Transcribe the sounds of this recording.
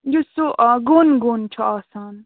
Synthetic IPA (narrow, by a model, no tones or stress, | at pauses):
jusuʔaɡuːnɡoːnt͡ʃʰuaːsaːn